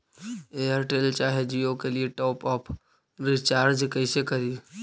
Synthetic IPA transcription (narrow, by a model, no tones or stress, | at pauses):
eəɾʈeːlt͡ʃaːɦed͡ʒiokelieʈɔːpɔːpʰ | ɾɪt͡ʃaːɾd͡ʒkəɪsekəɾi